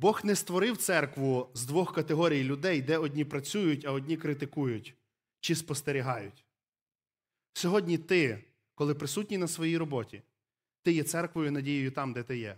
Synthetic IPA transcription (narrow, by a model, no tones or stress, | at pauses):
bɔxnɛst̪ʋɔɾɪwt̪sɛrkʋʊzd̪ʋɔxkɐt̪eɦɔɾʲijlʲʊd̪ɛjd̪ɛɔdʲnʲipɾɐt͡sʲujʊtʲɐɔdʲnʲikɾɪt̪ɪkujʊtʲ | t͡ʃispɔst̪eɾʲiɦɑjʊtʲ | sʲɔɦɔdʲnʲit̪ɪ | kɔlˠɪpɾɪsutʲnʲinɐsʋɔjijɾɔbɔtʲi | t̪ɪjɛt̪sɛrkʋɔjʊnɐdʲijʊjʊt̪ɑmd̪ɛt̪ɪjɛ